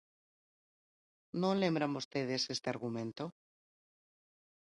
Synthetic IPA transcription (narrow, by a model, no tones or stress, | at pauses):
nolẽmbɾamust̪eðesest̪eaɾɣumẽnt̪o